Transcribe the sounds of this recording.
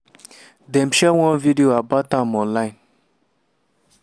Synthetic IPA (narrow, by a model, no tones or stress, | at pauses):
dɛ̃mʃɛwɔ̃nvidioabatãmɔ̃nlãɪ̃n